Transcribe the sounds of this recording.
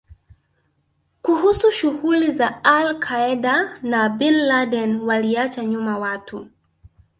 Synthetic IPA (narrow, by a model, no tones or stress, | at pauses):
kuɦusuʃuɣulizaalkʰaɛɗanabinladɛnwaliat͡ʃaɲumawatʰu